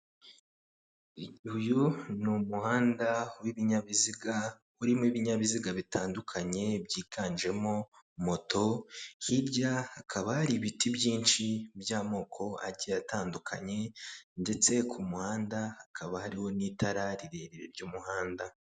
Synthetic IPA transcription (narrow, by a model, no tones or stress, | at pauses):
iɟihujunumuhaːndawiβiɲaβiziɡa | uɾimiβiɲaβiziɡaβitaːndukʰaɲe̞bɟiːɡaːnʒe̞mo̞ | mo̞to̞hiɾɟahakʰaβahaɾiβitibjiːnʃibjaːmo̞ːkʰo̞a̰ɾɟijataːndukʰa̰ɲe̞nde̞t͡se̞kʰumuhaːndahakʰaβahaɾiho̞nitʰaɾaɾiɾe̞ɾeɾḛɾɟuːmuhaːnda